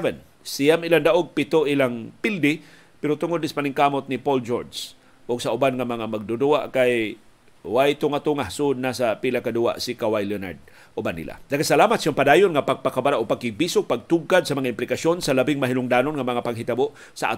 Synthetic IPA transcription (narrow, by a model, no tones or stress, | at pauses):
vɛn | sijamɪland̪aʔoɡ̚pɪt̪oʔɪlaŋpɪld̪ɪ | pɛɾot̪ʊŋʊd̪nɪspanɪŋkaːmot̪̚nɪpold͡ʒoɹds | ʔʊɡsaʊbanŋamɐŋamaɡ̚d̪ʊd̪ua̰ʔkaj | wajt̪ʊŋat̪uŋahsʊʔʊd̪̚nasapilakad̪ua̰ʔsɪkawajlona̰ɹd̪̚ | ʔʊbanːḭla̰d̪aɡasalaːmat̪̚siompad̪aːjʊnŋapaɡ̚pakabaɾaʔopaɡ̚ɪɡ̚bisʊɡ̚paɡ̚t̪uɡkad̪̚sɐmɐŋaɪmplɪkasjonsɐlabɪŋmaɦinʊŋd̪aːnonŋamɐŋapaŋɦɪt̪aboʔ | sɐʔa̰